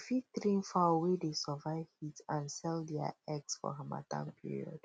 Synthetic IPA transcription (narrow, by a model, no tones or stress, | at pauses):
fitɾĩnfawedesɔvaɪvhitãnsɛldɛa̰ɛksfɔ̰ɦama̰tã̰npʰḭɹḭɔ̰d̥